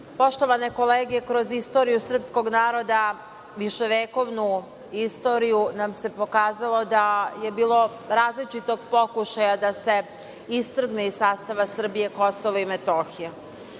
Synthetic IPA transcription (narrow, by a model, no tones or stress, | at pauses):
po̞ʃt̪o̞ʋane̞ko̞leːɡekɾo̞zist̪o̞ɾijusr̩psko̞ɡnaːɾo̞d̪a | ʋiʃe̞ʋeːko̞ʋnu | ist̪o̞ːɾijunamse̞po̞kaːzalˠo̞d̪aje̞biːlˠo̞ | ɾaːzlit͡ʃit̪o̞ɡpo̞kuʃajad̪ase̞ | ist̪r̩ɡneissaːst̪aʋasr̩bije̞ko̞soʋoimet̪o̞ːxije